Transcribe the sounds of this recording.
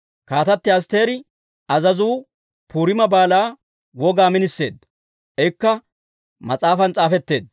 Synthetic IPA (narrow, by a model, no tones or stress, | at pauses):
kaːt̪ɐt̪ːɪɐs̬t̪e̞ːɾɪ | ɐzɐzuː | puːɾɪmɐbaːlaː | wɔɡaːmɪnɪsːe̞̰ːd̪ | ʔɛjɪkːɐ | mɐt͡sʼaːfɐnt͡sʼaːfɛt̪ːe̞̰ːd̪̚